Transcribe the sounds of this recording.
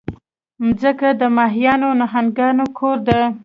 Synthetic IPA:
mzəkad̪əmɑɦijɑnonaɦanɡɑnokʰoɾd̪ə

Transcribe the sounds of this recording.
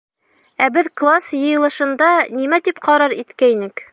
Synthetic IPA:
æbɘðklˠasjɤ̆jɤ̆lˠɤ̆ʃɤ̆nd̪ɑnimæt̪ipqɑɾɑɾit̪kæjnɘk

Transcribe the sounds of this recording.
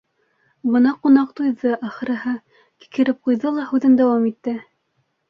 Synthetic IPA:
bɤnɑqunɑqt̪ujðɤʔɑχɤ̆ɾɤ̆ɦɤ | ki̥kɘ̆ɾɘp̚qujðɤlˠɑhʉðɘnd̪æwɑmit̪ːɘ

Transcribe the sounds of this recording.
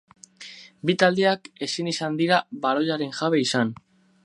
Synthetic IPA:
bit̪ald̪eake̞sinisand̪iɾaβaɾo̞ʎaɾe̞ŋʝaβe̞isan

